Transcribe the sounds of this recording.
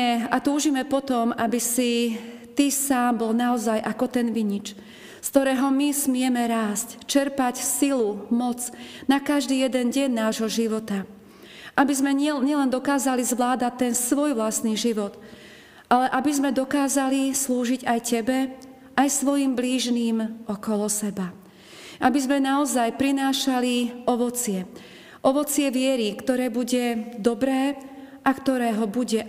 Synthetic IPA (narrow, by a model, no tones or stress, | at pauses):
ɛat̪uːʒimɛpɔt̪ɔmabisit̪isaːmbɔlnaɔzajʔakɔt̪ɛnʋiɲit͡ʃ | skt̪ɔɾɛːɦɔmismɪɛmɛɾaːsct͡ʃɛɾpacsilumɔt͡snakaʒd̪iːjɛd̪ɛnɟɛɲːaːʒɦɔʒiʋɔt̪a | ʔabizmɛɛɲɛlɛnd̪ɔkaːzalizʋlaːd̪at̪ːɛnsʋɔjʋlast̪niːʒiʋɔd̪ | ʔalɛʔabizmɛd̪ɔkaːzalisluːʒiɟajcɛbɛ | ʔajsʋɔjiːmbliːʒniːmʔɔkɔlɔsɛba | ʔabizmɛnaɔzajpɾinaːʃaliɔʋɔt͡sɪɛ | ʔɔʋɔt͡sɪɛʋɪɛɾikt̪ɔɾɛːbuɟɛd̪ɔbɾɛː | ʔakt̪ɔɾɛːɦɔbuɟɛ